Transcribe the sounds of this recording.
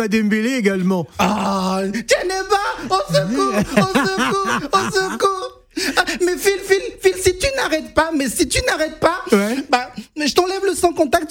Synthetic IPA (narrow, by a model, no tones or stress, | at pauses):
ad̪ɛmbeleeɡalmɑ̃a | t̪anɛbaɔ̃səkuɔ̃səkuʁɔ̃səkuʁ | amɛfilfilfilsit̪ynaʁɛt̪̚pamɛsit̪ynaʁɛt̪̚pawɛbaʒət̪ɑ̃lɛvləsɑ̃kɔ̃t̪ak̚t̪